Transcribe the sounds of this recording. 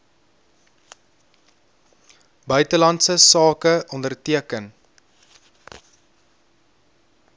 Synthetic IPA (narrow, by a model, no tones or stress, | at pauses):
bœɥtəlɐntsəsɑːkəʔɔndərtiəkən